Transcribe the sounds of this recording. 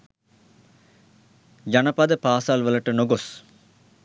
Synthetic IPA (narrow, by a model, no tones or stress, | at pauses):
d͡ʒanəpad̪əpaːsalʋələʈənoɡos